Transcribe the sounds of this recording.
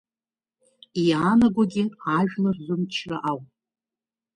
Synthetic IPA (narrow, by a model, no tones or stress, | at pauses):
iaːnaɡʷaɡʲɪaʒᶣlarzʊmt͡ʃʰra̰ʔawpʼ